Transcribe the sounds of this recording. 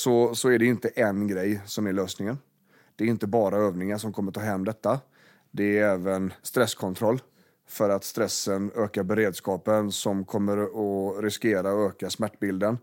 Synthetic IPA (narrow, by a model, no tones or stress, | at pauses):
sɔsɔæɖɛɪnt̪əʔɛnɡɾɛjːsɔmæɾɭøːsnɪŋən | d̪̥ɛɾɪnt̪əbɑːɾaøːvnɪŋaʂɔmkʰɔmːəɾʈtʰɑːɦɛmːd̪ɛt̪ːa | d̪ɛæɾɛːvənst̪ɾɛskʰɔnt̪ʰɾɔlː | fœɾat̪st̪ɾɛsːənøːkaɾbɛɾeːd̪skɑːpənsɔmkʰɔmːəɾɔɾɪskeːɾaɔøːkasmæʈːbɪld̪ən